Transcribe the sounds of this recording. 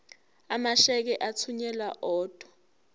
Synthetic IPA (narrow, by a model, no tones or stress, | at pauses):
amaʃɛk̬ɛʔat͡sʰuɲɛlaʔɔːd̥ʱwɔ̥